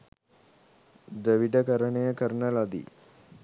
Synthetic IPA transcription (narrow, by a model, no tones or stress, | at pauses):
d̪əʋiʈəkəɾənəjəkəɾənəlad̪ḭ